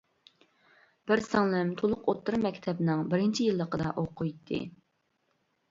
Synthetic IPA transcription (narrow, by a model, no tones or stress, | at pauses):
b̥ɪɾsɑŋlˠɪmt̪ʰolˠʊqot̪ːɨɾmɛkʲt̪ʰɛbnɪŋbɪɾɪnt͡ʃʰijɨlˠːəqəd̪ɑʔoqʰʊjt̪ʰːɨ̰